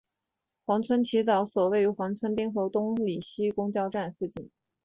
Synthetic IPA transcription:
xwɑ˧˥ŋt͡sʰwə˥nt͡ɕʰi˧˥t̪ɑ˨˩˥ʊswɔ˨˩we˥˩ɪy˧˥xwɑ˧˥ŋt͡sʰwə˥npi˥ŋxɤ˧˥t̪ʊ˥ŋli˨˩ɕi˥kʊ˥ŋt͡ɕjɑ˥˧ʊʈ͡ʂa˥˧nf̩˥˩t͡ɕi˥˩n

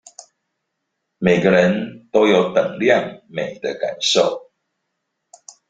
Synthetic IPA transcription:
me˨˩ɪɡə˨ɻə˨˦nt̪o˦ʊjo˨˩ʊt̪ə˨˩ŋljɑ˥˨ŋme˨˩ɪd̪ə˨˦ka̰˨˩nʂo˥˨ʊ

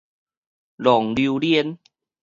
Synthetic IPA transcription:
lɔ˨˩˦ŋli˧wli˦˥˧ə˧n

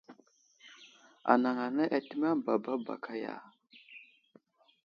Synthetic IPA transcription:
a̰˨na˨ŋa˨na˦ʔa˨ti˦ma˦˨ba˨ba˦ba̰˨kʰa˦ja̰˨

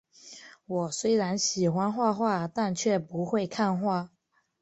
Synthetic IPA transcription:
wɔ˨˩swe˥ɪɻa˧˥nɕi˨˩xwa˥nxwa˥˧xwa˥˧t̪a˥˧nt͡ɕʰɥɛ˥˩pu˧˦˥xwe˥˧ɪkʰa˥˧nxwa˥˩

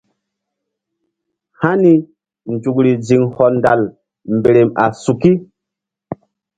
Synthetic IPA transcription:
ha˦ni˦ | n̩˨d͡ʒu˨kɾi˨d͡zi˨ŋhɔ˨nda̰˨l | m˨be˨ɾe˨ma̰˨su˨ki˦

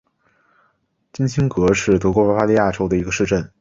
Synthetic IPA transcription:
t͡ɕi˥nɕʰi˥ŋkɤ˧˥ʂɻ̩˥˩t̪ɤ˧˥kwɔ˧˥pwa˧˥fa˥li˥˧ja˥˩ʈ͡ʂo˥ʊd̪ə˨i˧˥ɡə˧ʂɻ̩˥˧ʈ͡ʂə˥˩n

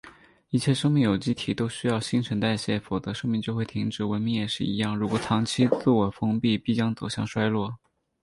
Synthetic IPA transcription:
i˥˩t͡ɕʰjɛ˥˧ʂɤ˥ŋmi˥˩ŋjo˨˩ʊt͡ɕi˥t̪ʰi˨˩t̪o˥ʊɕy˥jɑ˥˧ʊɕi˥ŋʈ͡ʂʰə˧˥nt̪a˥˧ɪɕjɛ˥˩fo˨˩ʊt͡sɤ˧˥ʂɤ˥ŋmi˥˧ŋt͡ɕjo˥˧ʊxwɪt̪ʰi˧˥ŋʈ͡ʂɻ̩˨˩wə˧˥nmi˧˥ŋjɛ˨˩ʂɻ̩˥˩i˧˥jɑ˥˩ŋɻu˧˥kwɔ˨˩t̪ʰɑ˧˥ŋt͡ɕʰi˥t͡sɹ̩˥˩wɔ˨˩fɤ˥ŋpi˥˩pi˥˩t͡ɕjɑ˥ŋt͡so˨˩ʊɕjɑ̰˥˩ŋʂwa˥ɪlwɔ˥˩

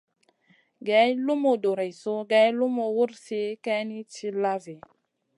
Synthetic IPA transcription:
ɡɛ˨˦lu˦mo˨do˨ɾe˨jso˦ɡɛ˨˦jlu˦mo˨wu˦ɾsi˦kɛ˦ni˦t͡ʃi˦la˦vi˨

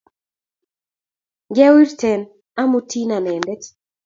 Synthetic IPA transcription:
ɡɛ˦wi˦ɾtɛ˨n | a˦mu˦ti˦na˨nɛ˨ndɛ˦t

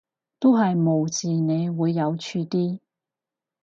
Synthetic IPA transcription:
t̪o˥wɦɐ˨jmo˨˩wt͡siː˨˩ne˨˧jwuː˨˧jːɐ˨˧wt͡ʃʰyː˧t̪iː˥

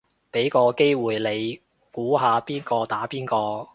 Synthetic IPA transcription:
pe˨˥jkɔː˧ke˥jwuː˨jle˨˧j | kuː˨˥ɦaː˨˧piː˥nkɔː˧t̪aː˨˥piː˥nkɔː˧

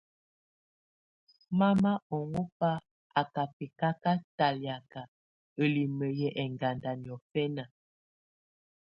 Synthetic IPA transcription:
ma˦ma˦ɔ˨ŋo˦pa˦ | a˨ka˨pi˨ka˦ka˦ta˨lja˨ka˨ | ə˨li˨mə˨jɛ˦ʔɛ˨ŋɡa˨nda˨ni˨ɔ˨fɛ˦na˨

